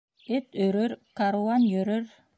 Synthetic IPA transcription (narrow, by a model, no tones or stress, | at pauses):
et̪øɾøɾkaɾuanjøɾøɾ